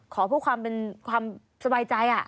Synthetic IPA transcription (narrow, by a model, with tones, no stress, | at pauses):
kʰɔː˩˦pʰuː˥˩kʰwaː˧mpe˧nkʰwaː˧m | sa˧baː˧jt͡ɕa˧jʔa˨˩